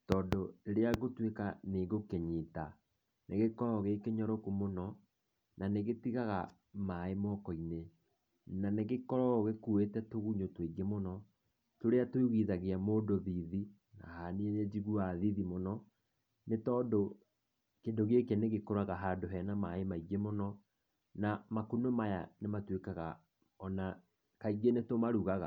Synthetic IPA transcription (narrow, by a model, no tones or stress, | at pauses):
tɔːndoeɾeaɣotwekaneɡokeɲita | neɣekɔɾɔɣekeɲɔɾokumonɔ | naneɣetiɣaɣa | maemɔkɔine | naneɣekɔɾɔɣekuetɛtoɣuɲotweɡemonɔ | toɾeatweuɣiðaɣeamoːdoðiði | na̰hanieɾɛd͡ʑiɣuaðiðimonɔ | netɔːdo | kendoɣekeneɣekoɾaɣaɦadoɦɛnamaemaiɡemɔnɔ | namakonomaja̰nematwekaɣa | ɔna | kaiɡenetomaɾuɣaɣa